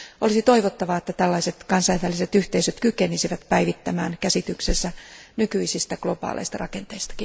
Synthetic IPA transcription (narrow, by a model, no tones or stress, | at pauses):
olisit̪oiʋot̪ːɑʋɑet̪ːæt̪ælːɑiset̪kɑnsɑjʋælːˑiset̪yht̪eisøt̪kykenisiʋæt̪pæiʋit̪ːæmæːnkæsit̪yksesːænykyisist̪æɡ̥lo̞bɑ̰ːlʔḛist̪ɑrɑkent̪eist̪ɑ̥ki